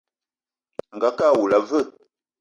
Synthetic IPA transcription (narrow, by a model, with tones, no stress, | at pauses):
ŋ̩˨ɡa˨ka˦˨wu˨la˨və˦˨